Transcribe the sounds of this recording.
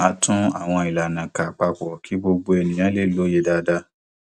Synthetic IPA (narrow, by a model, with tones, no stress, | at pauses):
a˧tʰũ˦a̰˦˨w̃ɔ̃˧i˨la˨nã˨ka˨k͡pa˧k͡pɔ˨kʰi˨˦bo˧ɡ͡bo˧ɛ˧˨nĩ˨j̃ã˨˦le˦˨˦lo˨˦je˧˦da˧da˧